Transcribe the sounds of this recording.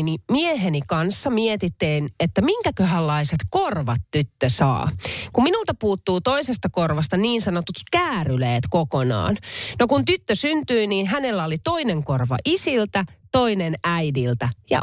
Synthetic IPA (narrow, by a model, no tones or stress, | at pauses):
nimieɦenikɑnsːɑmiet̪it̪ːeːnet̪ːæmiŋkækøɦælːɑiset̪korʋɑt̪tyt̪ːøsɑ̰ːkumminult̪ɑpuːt̪ːuːt̪oisest̪ɑkorʋɑst̪ɑniːnsɑnot̪ut̪kæːryleːt̪kokonɑ̰ːnnokunt̪yt̪ːøsynt̪yiniːnɦænelːæolit̪o̞ineŋkorʋɑ̰ʔisilt̪æt̪oinenæidilt̪æjɑ̰